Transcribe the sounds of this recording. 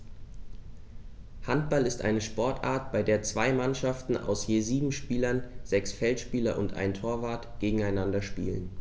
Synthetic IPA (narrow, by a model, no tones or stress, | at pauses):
hant̚b̥alɪstʔa̰ɪnəʃpɔɐtʔa̰ːɐtb̥aɪdeːɐt͡sv̥aɪmanʃaftn̩a̰ʊsjeːziːbm̩ʃpiːlɐnzɛksfɛltʃpiːlɐʔʊ̰ntʔa̰ɪntʰoːɐvaːɐtɡ̥eːɡŋ̩aɪnandɐʃpḭːlə̰n